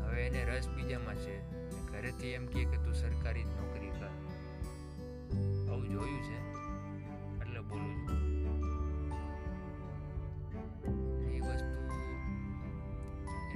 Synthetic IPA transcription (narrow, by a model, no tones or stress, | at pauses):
ɦəʋeːneɾəsbid͡ʒamãt͡ʃʰe | eɡʱəɾet̪ʰiemkieket̪ũsəɾkaɾinɔkɾikəɾ | əũd͡ʒojũt͡ʃʰe | əʈlebolũd͡ʒu | ɾiʋəst̪u